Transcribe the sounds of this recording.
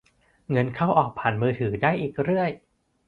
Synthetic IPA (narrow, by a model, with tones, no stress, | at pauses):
ŋɤ˧nkʰa˥˩wʔɔː˨˩k̚pʰaː˩˦nmɯː˧t̪ʰɯː˩˦daː˥˩jʔiː˨˩k̚ɾɯ˥˩əj